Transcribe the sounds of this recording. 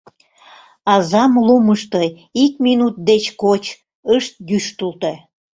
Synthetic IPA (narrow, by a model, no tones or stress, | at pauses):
ɑzɑmluməʃt̪o | ikminut̪̚d̪et͡ɕkot͡ɕ | əʃt̪̚ɡyʃt̪ult̪o